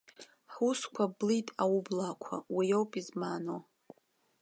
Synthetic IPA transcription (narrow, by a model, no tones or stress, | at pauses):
ħuskʷʰablitʼawublakʷʰa̰wijowpʼizmano